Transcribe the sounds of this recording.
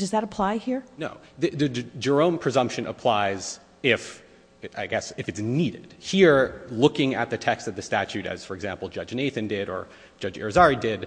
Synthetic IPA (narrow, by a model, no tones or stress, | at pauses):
d̥ʌzðɨɾəpʰl̥aɪhiɹnoʊ | ðɨðɨd͡ʒə˞õʊ̃mpʰɹ̥ɨzʌ̃mpʃɨ̃nə̰pʰl̥aɪz | ɪf | ʔaɪɡɛsɨfɨtsniɾɪ̰d̥hiɹlʊkɪ̃ŋɨ̰t̪̚ðɨtʰɛkstɨt̪̚ðɨstæt͡ʃʉɾɨ̰z̥fə˞ɨɡzæ̃mpl̩ˠd͡ʒʌd͡ʒneɪθɨ̃ndɪɾə̰̥˞ | d͡ʒʌd͡ʒɛ̰ɹɨzɑɹidɪd̚